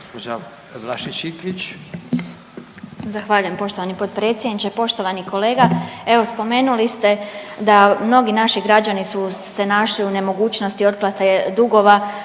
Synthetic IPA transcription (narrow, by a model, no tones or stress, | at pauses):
ɡospod͡ʒa | ʋlaʃiʃik̪ʋit͡ʃ | zaxʋaːʎujempo̞ʃt̪o̞ʋanipo̞t̪pɾe̞t̪sʲjed̪nit͡ʃepo̞ʃt̪o̞ʋaniko̞le̞ːɡae̞ʋo̞spo̞me̞ːnulist̪e̞d̪amno̞ɡinaʃiɡɾad͡ʑanisuse̞naʃliune̞mo̞ɡuːt͡ɕno̞st̪io̞t̪̚plˠat̪ed̪uɡo̞ʋa